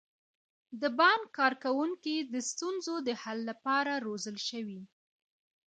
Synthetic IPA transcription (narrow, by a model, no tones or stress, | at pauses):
d̪əbɑnkɑɾkawuŋkid̪əst̪unzod̪əhalːapɑɾaɾozəlʃəwi